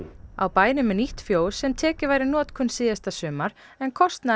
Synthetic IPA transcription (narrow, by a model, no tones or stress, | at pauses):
a̰wpaːjnɪmɛniht̪fjoːwsɛmt̪ʰɛːcɪvajɾɪnɔːt̪kʰʏnsɪːðast̪asʏːmaɾ̥ | ɛnkʰɔst̪na